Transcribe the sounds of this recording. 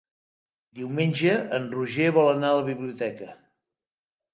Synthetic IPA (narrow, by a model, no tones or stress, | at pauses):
d̪iwmenʲʒəənruʒeβɔlˠənaələβiβliut̪ɛkə